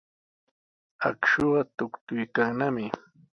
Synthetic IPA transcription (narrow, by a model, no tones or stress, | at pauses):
a̰kʃoɢɑt̪ʊkt̪ʊjkaŋnamɪ